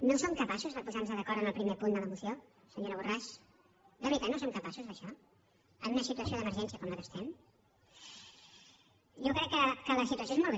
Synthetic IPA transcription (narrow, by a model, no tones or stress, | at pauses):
nosomkəpasuzðəpuzanzəðəkɔɾt̪ənəlˠpɾimepund̪ələmusio | səɲoɾəβuraʃ | d̪əβɾit̪at̪nosomkəpasuzðəʃɔ | ənunəsit̪uəsijoðəməɾʒɛnsiəkɔmləkəst̪ɛm | jɔkɾɛkːəkələsit̪uəs̬oezmɔlˠβ